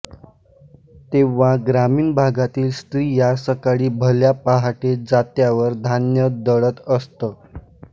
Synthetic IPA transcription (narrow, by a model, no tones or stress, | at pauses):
t̪eʋaɡɾamiːnbʱaɡat̪iːlst̪ɾiːjasəkaɭiːbʱəljapaɦaʈed͡zat̪jaʋəɾd̪ʱanjəd̪əɭət̪əst̪ə